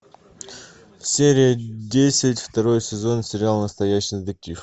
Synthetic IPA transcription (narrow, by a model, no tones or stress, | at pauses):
fsʲeɾʲɪjədʲesʲɪtʲft̪ɐɾo̞jsʲɪzo̞nsʲɪɾʲɪalˠnəst̪ɐjæɕːɪzd̪ɐkʲix